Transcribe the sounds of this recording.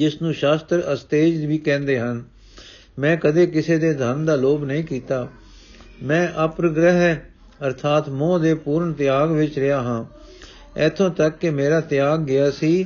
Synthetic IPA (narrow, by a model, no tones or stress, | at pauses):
d͡ʒɪsnũːʃaːst̪ɾəst̪eːd͡ʒʋiːkɛ̃ːnd̪eːɦən | mɛ̃ːkəd̪eːkɪseːd̪eːd̪ʱənd̪aːloːbnəĩːkiːt̪aː | mɛ̃ːʔəpɾəɡɾəɦɛ | əɾt̪ʰaːt̪mõːd̪eːpuːɾɳt̪ɪjaːɡʋɪt͡ʃɾɪaːɦãː | ɛːt̪ʰõːt̪əkːemeːɾaːt̪ɪjaːɡːɪaːsiː